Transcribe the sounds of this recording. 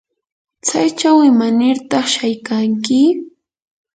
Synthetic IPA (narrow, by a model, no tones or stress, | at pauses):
t͡sajt͡ʃawɪmanɪɾt̪ɑχʃajkaŋkɪ